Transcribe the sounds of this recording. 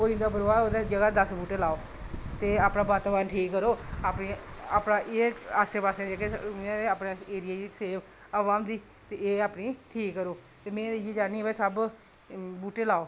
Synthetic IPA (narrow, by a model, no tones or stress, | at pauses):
oːĩnd̪aːbəɾoːaːoːd̪ed͡ʒəɡaːd̪əsbuːʈeːlaːoː | t̪eːaːpnaːbaɾt̪abaːnʈʰiːkːəɾoːaːpniːaːpnaːʔeːaːseːpaːsẽːd͡ʒeːkeãeaːpnaːeːɾɪjaːd͡ʒiseːʋ | əʋaːmd̪iː | t̪eeːaːpniːʈʰiːkːəɾoːt̪eːmɛ̃ːjeːd͡ʒaːniɛːbɛ̃ːsəb | buːʈeːlaːoː